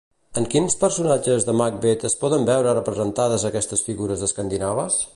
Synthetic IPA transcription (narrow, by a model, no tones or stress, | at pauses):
əŋkinspəɾsunad͡ʒəzðəmak̚bet̪əspɔðəmbɛwɾərəpɾəzənt̪að̞əzəkɛst̪əsfiɣuɾəzðəskand̪inaβəs